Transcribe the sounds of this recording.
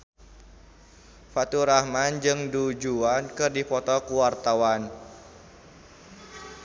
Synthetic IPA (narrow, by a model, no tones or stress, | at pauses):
fat̪uɾahmand͡ʒɨŋdud͡ʒuankɨrdipɔt̪ɔkuwart̪awan